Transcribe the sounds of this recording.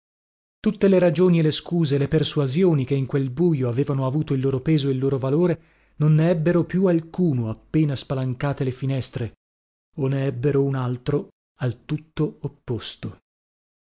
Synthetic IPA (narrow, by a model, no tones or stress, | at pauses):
t̪ut̪ːeleɾad͡ʒoːnieleskuːzeleperswazjoːnikeiŋkwelbuːjoaveːvanoavuːt̪oilːoːɾopeːzoilːoːɾovaloːɾe | nonːeɛbːeɾopjualkuːnoapːeːnaspalaŋkaːt̪elefinɛst̪ɾe | oneɛbːeɾounalt̪ɾo | alt̪ut̪ːoopːost̪o